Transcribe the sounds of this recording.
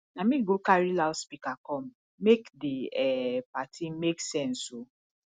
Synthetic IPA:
namĩɡokaɾilalspikakɔm̩ | mekdiɛpatʰimeksɛ̃n̩so

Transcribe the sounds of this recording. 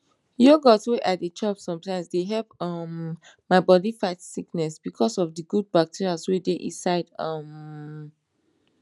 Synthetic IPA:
joɡɔsweʔadet͡ʃʰɔpsɔ̃mtãɪ̃msdeɦɛlpʌm | maɪbɔdifaɪtsiknɛsb̥ikʰɔsɔfdəɡud̚bak̚tʰiɹiaswedeʔḭ̃saɪdʌm

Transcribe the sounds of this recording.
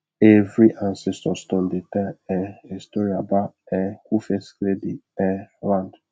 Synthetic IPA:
evɾiʔãnsɛstɔstɔ̃ndetɛɛistɔɾiabaɛkufɛsklediɛlãnd

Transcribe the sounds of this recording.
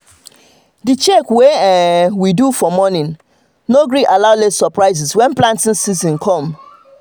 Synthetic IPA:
dit͡ʃɛkweɛwidufɔmɔnĩn | noɡɹiʔalaʊlesɔpɹaɪzɪswɛ̃nplãntĩnsizɔ̃nkʰɔ̃m

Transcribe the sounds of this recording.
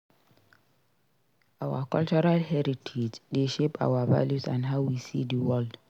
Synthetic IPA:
awa̰kɔlt͡ʃɔɾalɦɛɾitʰed͡ʒdeʃepa̰wava̰ljusãndɦawwisḭdiwɔld

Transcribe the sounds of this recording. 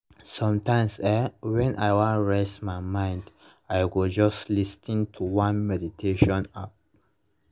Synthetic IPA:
sɔ̃mtãɪ̃msɛwɛ̃nʔa̰jwãɹesmajmãɪ̃nd | ajɡɔd͡ʒɔstlistĩntʰuwãnmɛditʰeʃɔ̃nap̚

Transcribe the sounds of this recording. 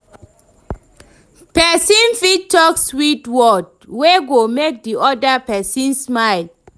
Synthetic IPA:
pɛsĩnfitːɔkswitwɔd̚ | weɡomek̚diʔɔdapɛsĩnsmaɪl

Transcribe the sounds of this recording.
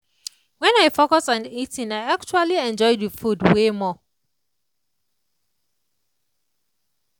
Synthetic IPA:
wɛ̃naɪfokɔsɔ̃nitĩnaɪak̚t͡ʃualiɛ̃nd͡ʒɔɪdəfudwemɔ

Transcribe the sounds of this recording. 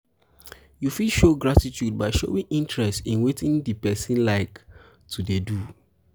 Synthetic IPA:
jufidʃoɡɹatitjud̚baɪʃo̰wĩŋʔĩntɹɛstĩnwetĩŋdipɛsĩnlaɪk | tʰudedu

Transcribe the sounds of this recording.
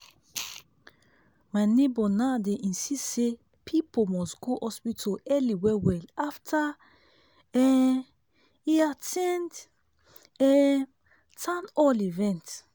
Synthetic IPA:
manebɔnadeʔĩnsisse | pʰipomɔsɡoʔɔspitʰoɛliwɛwɛlaftʰa | ɛ | iasɛ̃nd | ɛ | tʰãnɔlivɛ̃nt

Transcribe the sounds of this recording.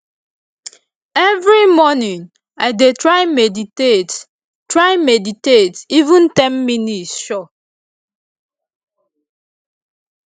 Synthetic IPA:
ɛvɹimɔnĩŋ | ajdetɹaɪmeditet | tɹajmeditetivũntɛ̃nminitsʃɔ

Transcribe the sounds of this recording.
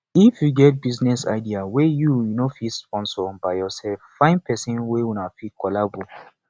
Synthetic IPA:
ifjuɡɛt̚biznɛsa̰ɪdiawejujunofispɔ̃nsɔbaɪjɔsɛlffãɪ̃npʰɛsĩnwewunafikɔlabu

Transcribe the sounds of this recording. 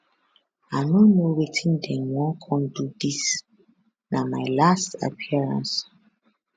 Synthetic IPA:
anũmũowetʰĩndɛnɔ̃ŋkʰɔ̃ndudis | nãmaɪlasta̰pʰiaɹã̰ns

